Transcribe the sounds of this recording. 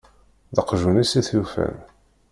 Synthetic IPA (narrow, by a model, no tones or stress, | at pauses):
ðəqʒunisiθufæ̰n